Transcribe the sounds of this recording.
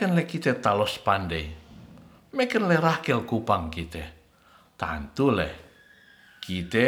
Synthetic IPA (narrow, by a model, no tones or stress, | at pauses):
ənlɛkit̪ɛt̪alɔspandej | mekənlɛrakɛlkupaŋkit̪ɛ | t̪a̰nt̪ulɛ̰h | kit̪ɛ